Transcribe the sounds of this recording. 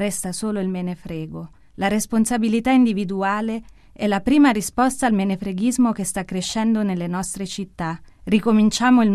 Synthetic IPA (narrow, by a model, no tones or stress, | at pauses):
rɛst̪asoːloilmenefɾɛːɡo | laɾesponsabilit̪aind̪ivid̪uaːle | ɛlapɾiːmaɾispɔst̪aːlmenefɾeɡizmokest̪akːɾeʃːɛnd̪onelːenɔst̪ɾet͡ʃit̪ːarikomint͡ʃaːmoiln